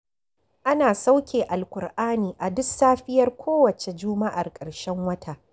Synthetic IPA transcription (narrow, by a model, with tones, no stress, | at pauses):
ʔa˦naː˨sa˦wkʲeː˨ʔa˨lkʷʊ˨rʔaː˦niː˨ʔa˨dʊ˦ksaː˦ɸɪ˦jɐ˦rkʷʰoː˦wɐ˨t͡ʃe˨d͡ʒʊː˦ma˦ʔa˨rkʼɐ˨ɽʃɛ˦ŋwɐ˦tʰa˦ʔ